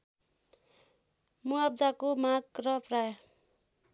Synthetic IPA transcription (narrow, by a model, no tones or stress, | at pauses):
muab̚d͡zakomaɡrʌpraj